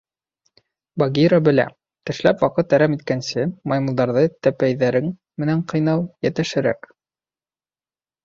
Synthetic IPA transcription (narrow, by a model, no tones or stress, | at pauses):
baɡʲiɾabɘ̆læ̰ | t̪ɘ̆ʃlæpwɑqɤt̪æɾæmit̪̚kænsɘmɑjmŭlˠd̪ɑɾðɤt̪æpæjðæɾɘŋ | mɘ̆næɴqɤ̆jnɑwˠjæt̪ɘ̆ʃɘ̆ɾæ̰k